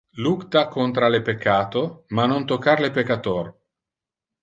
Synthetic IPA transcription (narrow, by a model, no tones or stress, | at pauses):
lukt̪akont̪ɾalepekʰːaːt̪omanont̪okːaɾlepekːat̪or